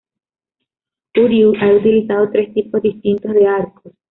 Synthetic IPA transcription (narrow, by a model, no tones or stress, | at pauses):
t̪uɾjuʔaut̪ilisaðot̪ɾe̞st̪ipozðist̪int̪ozðeaɾkos